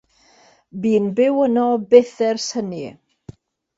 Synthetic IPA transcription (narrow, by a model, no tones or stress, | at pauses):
biːnbɪwənɔbeθɛrsəni